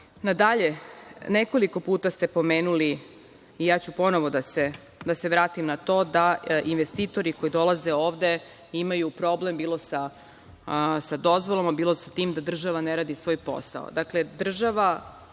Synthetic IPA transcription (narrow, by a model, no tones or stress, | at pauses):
nad̪aʎe̞neko̞liko̞puːt̪ast̪e̞po̞meːnuliː | jaːt͡ɕupo̞noʋod̪ase | d̪ase̞ʋɾaːt̪imnat̪o̞ːd̪ainʋest̪iːt̪o̞ɾiko̞id̪o̞laze̞o̞ːʋd̪e̞ | imajupɾo̞ble̞mbiːlˠo̞sa | sad̪o̞zʋolomabiːlˠo̞sat̪iːmd̪ad̪r̩ʒaʋaneɾaːd̪isʋo̞ːjpo̞̰sa̰o̰d̪akle̞d̪r̩ʒaʋa